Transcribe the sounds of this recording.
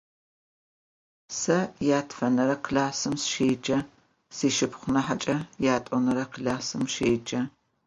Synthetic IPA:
sɐjaːtʰfɐnɐɾɐqɮaːsɨmsʃeːd͡ʒɐ | siːʃɪpχʷʊnɐħat͡ʃʼɐjaːtʼɔnɐɾɐqɮaːsɨmʃeːd͡ʒɐ

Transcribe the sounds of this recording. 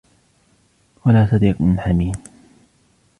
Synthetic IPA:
walaːt̪ɑd̪iːqmɪnħamiːn

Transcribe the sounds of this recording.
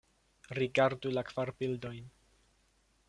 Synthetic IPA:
ɾiɡaɾdulakv̥aɾpildo̞jn

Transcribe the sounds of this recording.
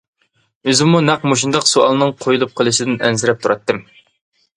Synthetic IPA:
øzɪmunɛqmoʃund̪ɑqsuɑ̰lˠɨnɨŋqʰojulˠup̚qʰəlˠɨʃɪd̪ɪnɛnzɪɾɛp̚t̪ʰuɾɑt̪ːɨm

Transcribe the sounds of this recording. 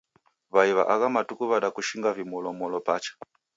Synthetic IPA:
βaiβa̰ʔakamatukuβaɗakuʃiŋɡavimɔlɔmɔlɔpat͡ʃḁ

